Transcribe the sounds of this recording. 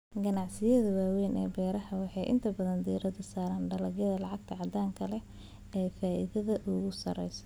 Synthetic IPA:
ɡɐnɑʕsɪjɐðɐwaːwɛjnɛ̰ːbɛːɾɐɦɐwɑħɑjʔɪ̰nt̪ʰɐbɐðɐnd̪iːɾɐd̪ɐsaːɾaːnɖɐlɐɡjɐðɐlɑʕɑɡt̪ʰɐʕɑd̪aːŋkʰɐlɛ | ɛjfaːʔḭðɐðɐʔʊɣʊsɐ̰ɾɛjsɐ̥

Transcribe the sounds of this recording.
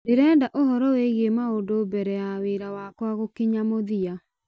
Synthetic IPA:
deɾɛːndaʔohɔɾɔweɣemaondobɛɾɛjaweɾawakwaɣokiɲamoðia

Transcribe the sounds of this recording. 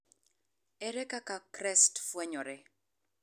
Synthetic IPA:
ɛɾɛkakakɾɛstfwɛɲɔɾɛ

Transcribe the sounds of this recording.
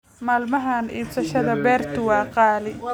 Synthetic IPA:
maːlmɐɦaːnḭːbsɐʃɐðɐbɛːrt̪ʰʊwɑːqɑːlɪ

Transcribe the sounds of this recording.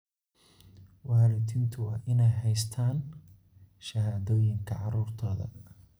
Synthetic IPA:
wɑːɾɪt̪ʰɪnt̪ʰʊɑːʔɪnɛjɦɛjst̪ʰaːn | ʃɐɦaːðɔːjɪŋkʰɐʕɑɾuːrt̪ʰɔːðɐ̰

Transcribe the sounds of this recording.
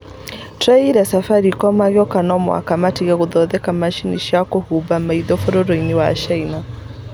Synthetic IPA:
tɾaiɾasafaɾikɔmaɣjɔkanɔmɔa̰kamatijakuðɔðɛkamaʃiniʃakɔhubamaiðɔfɔɾɔɾɔiniwaʃaina

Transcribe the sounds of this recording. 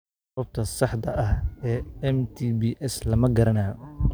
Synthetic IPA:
ɔːb̚t̪ʰɐsɑħd̪ɐʔɐhɛːɛmt̪ʰibiːʔɛslɐmɐɡɐɾɐnaː

